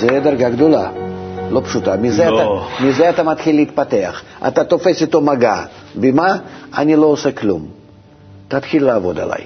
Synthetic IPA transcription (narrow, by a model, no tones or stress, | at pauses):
zɛd̪ɐɾɡaɡd̪ola̰lo̞pʂut̪amʲɪzɛat̪amʲɪzɛat̪amat̪xʲilːiːt̪̚pat̪eɐχ | a̰t̪at̪ofesit̪omaɡa̰ | bʲɪmaa̰nʲilo̞ːsɛklʲṵm | t̪at̪xʲilʲlaːvo̞d̪a̰la̰j